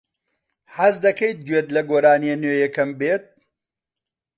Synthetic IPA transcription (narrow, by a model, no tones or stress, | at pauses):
hɐzd̪ɐkejt̪̚ɡɥeːt̪lɐɡoːɾaːnieneːjɐkɐmbeːt̪̚